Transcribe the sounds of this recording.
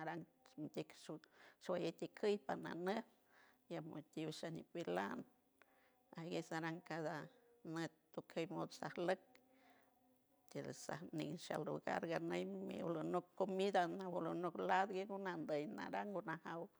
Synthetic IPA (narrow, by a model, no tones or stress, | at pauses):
aɾaŋ | nt̪ʲekʃwajet̪ikʰəjpana̰ne | jamo̰t̪iβʃanipilan | aɡesaɾaŋkad̪anet̪ːukʰejmod̪sahlək̚ | t̪eɾsa̰hniŋʃa̰lṵɡa̰ɾɡanəjmḭlonokːomid̪anawulonoklad̪ɡeɡunand̪əjna̰ɾaŋɡunahaw